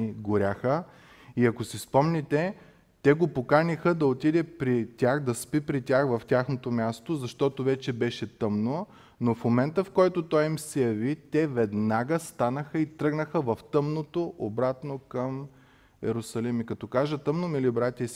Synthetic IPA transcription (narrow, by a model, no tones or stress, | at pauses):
ɡʊɾʲaxə | iɐkosispɔmnit̪ɛ | t̪ɛɡopokanixəd̪ɐot̪id̪ɛpɾit̪ʲaxd̪ɐspipɾitʲaxvɐftʲaxnot̪omʲjast̪ozɐʃt̪ɔt̪ovɛt͡ʃɛbɛʃɛt̪ɤmno | nofmomɛnt̪əfkɔjt̪ot̪ɔjimsɛjɐvit̪ɛvɛd̪naɡəst̪anəxəit̪ɾɤɡnəxəvɐft̪ɤmnot̪oʔobɾat̪nokəm | ɛ̰ɾʊsɐlimikɐt̪ɔkaʒət̪əmnomilibɾat̪ʲəis